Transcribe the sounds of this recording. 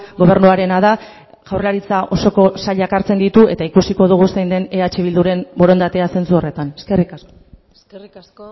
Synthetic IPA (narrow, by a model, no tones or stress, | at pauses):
ɡo̞β̞e̞ɾnuaɾe̞nað̞a | ɣ̥awrlaɾit͡saʔo̞so̞ko̞saʎakaɾt͡se̞nd̪it̪ue̞t̪aikusiko̞ðuɣ̞usejnd̪e̞ne̞at͡ʃe̞β̞ild̪uɾe̞mbo̞ɾo̞nd̪at̪e̞ase̞nt͡suo̞re̞t̪aneskeri | rs